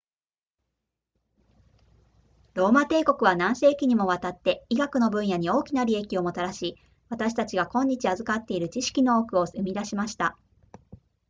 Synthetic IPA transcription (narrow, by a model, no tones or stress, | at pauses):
ɾo̞ːmat̪e̞ːko̞kɯ̟βanãɰ̃se̞ːkʲiɲ̟imo̞β̞at̪at̪ːe̞iɡakɯ̟no̞bɯ̟̃ɰ̃jaɲ̟io̞ːkʲinaɾʲie̞kʲio̞mo̞t̪aɾaɕiː | βat̪aɕi̥t̪at͡ɕiɡakõ̞ɲ̟ːit͡ɕiazɨkat̪ːe̞iɾɯ̟t͡ɕiɕi̥kʲino̞oːkɯ̟o̞ɯ̟mʲid̪aɕimaɕi̥t̪a